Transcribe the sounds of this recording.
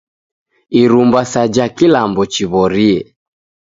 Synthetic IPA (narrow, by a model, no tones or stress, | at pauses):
iɾumbasad͡ʒakilambɔt͡ʃiβɔɾiɛ